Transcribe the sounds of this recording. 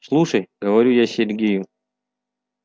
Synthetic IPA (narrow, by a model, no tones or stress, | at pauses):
slˠuʂəjɡəvɐɾʲujasʲɪrʲɡʲejʊ